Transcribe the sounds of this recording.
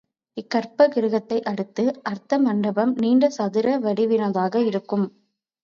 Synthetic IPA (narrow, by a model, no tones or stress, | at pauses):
ɪkːɐɾpɐɡɪɾɯɣɐt̪ːɐɪʔɐɽɯt̪ːɯʔɐɾt̪ɐmɐɳɖɐbɐmniːɳɖɐsɐðɪɾɐʋɐɽɪʋɪnɐðaːɣɐɪɾɯkːɯm